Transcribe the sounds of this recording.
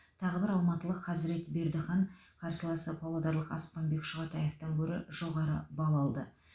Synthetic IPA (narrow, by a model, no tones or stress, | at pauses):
t̪ʰɑʁəbɪɾɑlˠmɑt̪əlˠəqχɑzɾe̞t̪be̞ɾd̪ɪχɑɴqʰɑɾsəlˠɑsəpʰolˠod̪ɑɾlˠəqɑ̰spɑnbe̞kʃʊʁɑt̪ɑjeft̪ɑŋkʲʰɵɾɪʒ̥o̞ʁɑɾəbɑlˠɑlˠd̪ə